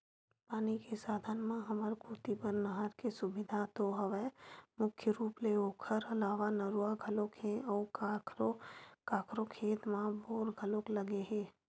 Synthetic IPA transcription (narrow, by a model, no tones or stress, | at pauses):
paːnikesaːd̪ʱənmãɦəməɾkʰuːt̪ipəɾnəɦəɾkesʊbɪd̪ʱat̪oɦəʋɛmʊkʰjəɾuːpleoːkʰəɾəlaːʋanəɾuaɡʱəlokɦẽɔːɾɾokaːkʰɾokʰeːt̪mãboːɾɡʱəlokləɡeɦẽː